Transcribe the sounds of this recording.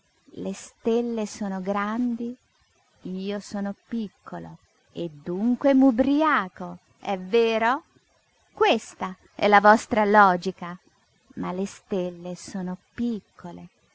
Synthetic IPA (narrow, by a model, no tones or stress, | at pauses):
lest̪elːesoːnoɡɾand̪i | iːosoːnopikʰːolo̰ | ed̪ːuŋkwemubɾiaːt̪o | ɛvːeːɾo | kwest̪a | ɛ̰lavɔst̪ɾalɔːd͡ʒika | malest̪elːesoːnopikʰːole